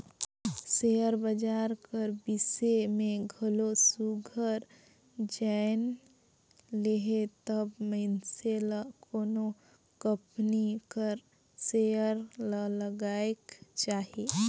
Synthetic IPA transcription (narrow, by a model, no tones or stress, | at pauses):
sejəɾbəd͡ʒaːɾkəɾbisemẽɡʱəlosuɡʱəɾ | d͡ʒaɪn | leɦet̪əbməɪnselakoːno | kəpnikəɾ | sejəɾlələɡaːekt͡ʃaːɦe